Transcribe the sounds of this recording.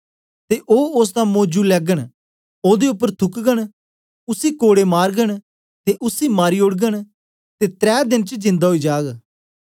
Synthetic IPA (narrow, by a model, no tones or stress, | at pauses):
t̪eʔoːʊs̬t̪ãmoːd͡ʒulɛːɡəɽ̃ | oːd̪eʊpːəɾt̪ʰʊkɡəɽ̃ | ʊsikoːɽemaːɾɡəɽ | t̪eʔʊsimaːɾiʊɽɡəɽ̃ | t̪et̪ɾɛːd̪ɪnt͡ʃd͡ʒɪ̃nd̪aɦoid͡ʒaːɡ